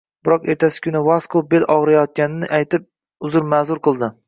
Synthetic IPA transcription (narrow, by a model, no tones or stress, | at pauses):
bɪɾɒqe̞ɾt̪ʰasɪ̥kʲʰʊnɪvaskobelʔɒʁɾajɒt̪̚kʲanɪnɪʔajt̪ɪp̚ | ʊzʊɾmazʊɾqɨlˠd̪ɪ